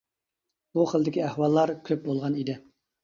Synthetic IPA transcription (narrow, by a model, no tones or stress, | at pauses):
b̥uχəlˠd̪ɪkʲiæhwɑlˠːɑɾkʲʰøp̚bolˠʁɑnid̪ɪ